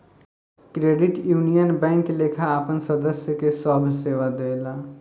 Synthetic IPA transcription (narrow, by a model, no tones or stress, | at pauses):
kɾeɖiʈjunijənbɛ̃ŋklekʰaːpənsəd̪əsjəkesəbʱseʋad̪ela